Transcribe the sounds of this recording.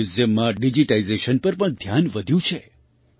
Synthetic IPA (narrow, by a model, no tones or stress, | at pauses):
uzəmːãɖid͡ʒiʈaizeʃənpəɾpəɳd̪ʱjanʋəd̪ʱjũt͡ʃʰe